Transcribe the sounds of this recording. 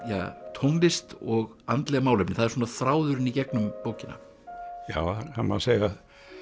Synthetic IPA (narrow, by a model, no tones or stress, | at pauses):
ja̰ːt̪ʰowmpɪst̪ɔɣant̪lɛːɣamaːwlejpnɪθaðɛɾsɔːnaθɾaːwðʏɾɪnicɛknʏmpoːwcɪna̰ | jaːwahama̰seːjað